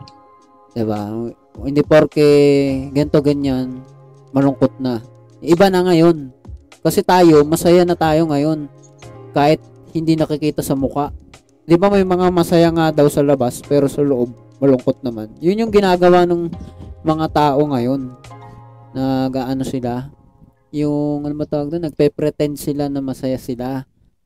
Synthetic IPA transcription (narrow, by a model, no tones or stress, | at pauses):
d̪̥ɪba̰ | ɪnd̪ɪpoɾkɛɡɛnt̪o̞ɡɐɲan | mɐlʊŋko̞t̪̚nɐ | ʔɪbanɐŋajo̞n | kɐsɛt̪aːjo̞mɐsɐjanɐt̪aːjo̞ŋɐjo̞n | kaːhɪt̪̚ | hɪnd̪inɐkɪkiːt̪ɐsɐmʊkaʔ | d̪ɪbamɐjmɐŋamɐsɐjaŋad̪ɐwsɐlɐbaspɛːɾo̞sɐloʔo̞b̚ | mɐlʊŋko̞t̪̚nɐmanjʊnjʊŋɡɪnaːɡɐwanɐŋmɐŋat̪aːʔo̞ŋɐjo̞nː | ɐɡʔaːʔɐno̞sɪla | jʊŋɐnomɐt̪ɐwaɡ̚d̪onɐɡ̚pɛpɾɛt̪ɛnd̪sɪlanɐmɐsɐjasɪla